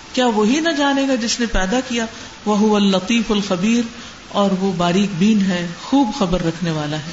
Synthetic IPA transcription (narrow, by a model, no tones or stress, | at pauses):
kjaːʋoɦinɐd͡ʒaːneːɡad͡ʒɪsnepɛːd̪akija | ʋɐɦʊʋɐlːɐt̪ˤiːfɐlxɐbiːɾ | ɔːɾʋobaːɾiːkbiːnɦɛːxuːbxɐbəɾːɐkʰneʋaːlaɦɛː